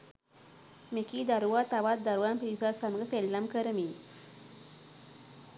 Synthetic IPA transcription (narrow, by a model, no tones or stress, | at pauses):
mekid̪aɾuwat̪aʋat̪̚d̪aɾuwanpɾisasamɡəselːamkəɾəmi